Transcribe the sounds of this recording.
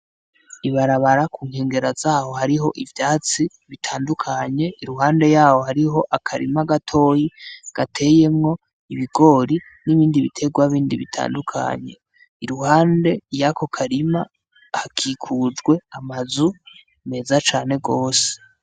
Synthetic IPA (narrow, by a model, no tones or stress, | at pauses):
iβaɾaβaɾakuːŋ̥he̞ːŋɡe̞ɾazaːho̞haɾiɦo̞ʔivjaːt͡si | βitʰaːndukʰaɲe̞ʔiɾuɦaːnde̞jaːho̞haɾiɦo̞ʔakʰaɾḭmaɡatʰo̞ːjiɡ̥atʰe̞je̞mŋo̞ | iβiɡo̞ːɾi | niβiːndiβitʰe̞ɡwaβiːndiβitʰa̰ːndukʰa̰ɲe̞̰ | iɾuhaːnde̞jakʰo̞kʰaɾima | hakʰikʰuːd͡ʒɡwe̞amazu | me̞ːzat͡ʃaːne̞ɡoːse̥